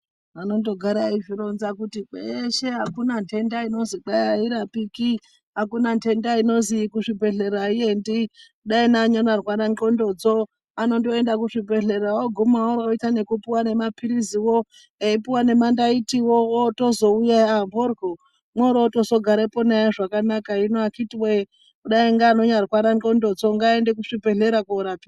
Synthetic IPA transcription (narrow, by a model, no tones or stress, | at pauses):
ano̞ndo̞ɡʱaɾaiʐiɾo̞nzakutiɓeʃe̞ɦakunantʰe̞ndaino̞ziǃajaiɾapiki | ɦakunantʰe̞ndaino̞zikuʂibʱe̞ɮe̞ɾaiendi | ɗainaːɲonarwaɾaŋǃo̞ndo̞d͡zo | ano̞ndo̞e̞ndak̬uʂibʱe̞ɮe̞ɾawoɡʱumawoɾooitane̞kupiwane̞mapiɾiziwo̞ | eipiwane̞mandaitiwoːto̞zo̞ujaːmborɡʱo | mwoɾooto̞so̞ɡʱaɾepo̞naaʐakanakainoakitiwe | kuɗaiŋɡaːno̞ɲarwaɾaŋŋ͡ǃondo̞d͡zo̞ŋɡaendekuʂibʱe̞ɮe̞ɾakauɾapi